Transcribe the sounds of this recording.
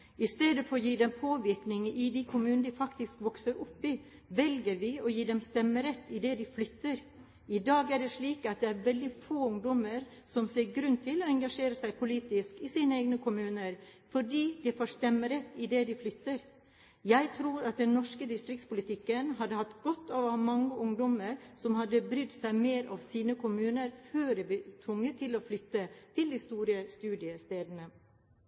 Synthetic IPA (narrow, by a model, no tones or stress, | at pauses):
ɪst̪eːd̪əfɔɾɔjiːd̪ɛmpʰoːʋɪɾknɪŋəʔɪd̪ikʰʊmʉːnd̪ɪfɑkt̪ɪskʋɔksəɾʊpːɪ | ʋɛlɡəɾʋɪɔjiːd̪ɛmst̪ɛmːəɾɛt̪ːɪd̪ɛd̪ɪflʏt̪ːəɾ | ɪd̪ɑːɡæɖɛʂɭiːkɑt̪̚d̪ɛæɾʋɛld̪ɪfoːʊŋd̪ɔməɾ | sɔmseːɾɡɾʉnt̪ʰɪlɔɛŋɡɑʂeːɾəsæɪpʰʊliːt̪ɪskɪsiːnəeːɡnəkʰʊmʉːnəɾfɔɖiːd̪ɛfoːʂt̪ɛmːəɾɛt̪ːɪd̪ɛd̪ɪflʏt̪ːəɾ | jæɪt̪ʰɾuːɾɑt̪̚d̪ɛnnɔʂkəd̪ɪst̪ɾɪk̚t̪spʊlɪt̪ʰɪkːənɦɑd̪əhɑt̪ːɡɔt̪ːɑʋɑmɑŋːəʔʊŋd̪ɔməɾsɔmhɑd̪ːəbɾʏd̪sæɪmeːɾʔɑʋsiːnəkʰʊmʉːnəɾføːɖɛbɪt̪ʰʋʊŋːət̪ʰɪloːflʏt̪ːət̪ʰɪld̪ɪst̪uːɾəst̪ʉːd̪ɪəst̪eːd̪ənə